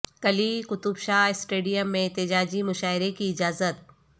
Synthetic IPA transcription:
kɐlikʊt̪ʊbʃaːɪsʈeːɖijəmːẽɛt̪ːɪd͡ʒaːd͡ʒimʊʃaːɪɾekiɪd͡ʒaːzət̪

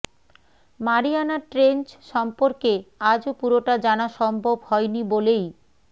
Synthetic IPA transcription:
maɾianaʈɾent͡ɕʃɔmpoɾkead͡ʑopuɾoʈad͡ʑanaʃɔmbʱobhɔjnibolej

